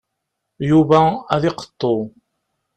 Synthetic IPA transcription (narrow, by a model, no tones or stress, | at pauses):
juvææðɪqə̥t̪ˤːo